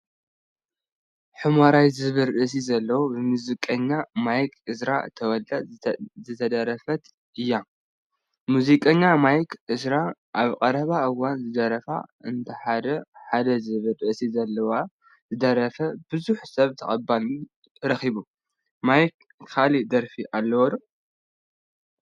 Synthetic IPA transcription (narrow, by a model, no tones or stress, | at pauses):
ħɨmaɾajzɨβɨɾɨʔs̬izɐlːɐwobɨmuzikʼɐɲːamajkʰʼɨsɾa̰t̪ʰɐwɔlɐzɨt̪ʰɐd̪ɐɾɐfɐt̪ | ɨjːa | muzikʼɐɲːamajkʔɨsɾaʔaβkʼɐɾɐβaʔɨwanzɨd̪ɐɾɐfa̰ʔɨnt̪ʰɐħad̪ɐħad̪ɐzɨβɨɾɨʔsizɐlːɐwa | zɨd̪ɐɾɐfɐbɨzuħsɐβt̪ʰɐxʼɐbalu | ɾɐxiβu | majk | kʰalid̪ɐɾfiʔalːɐwɔd̪